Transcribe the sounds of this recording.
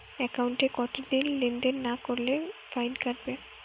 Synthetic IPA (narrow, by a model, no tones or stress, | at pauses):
ɛkauɳʈekɔt̪od̪inlinɖenːakoɾlefajnkaʈ̚be